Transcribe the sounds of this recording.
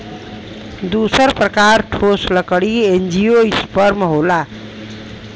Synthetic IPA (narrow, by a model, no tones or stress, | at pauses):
d̪usəɾpɾəkaɾʈʰosləkəɽiend͡ʒijoispəɾmɦola